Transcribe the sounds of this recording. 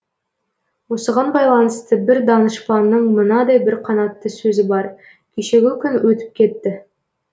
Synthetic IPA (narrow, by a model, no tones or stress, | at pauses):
wo̞səʁɑnbɑjlˠɑnəst̪əbɪɾd̪ɑnəʃplˠɑnːəɴmənɑd̪ɑjbɪɾqʰɑnɑt̪ːəsɵzɪbɑɾ | kʲʰeʃe̞ɡʲɪkʲʏnwɵt̪ɪ̥p̚kʲʰe̞t̪ːɪ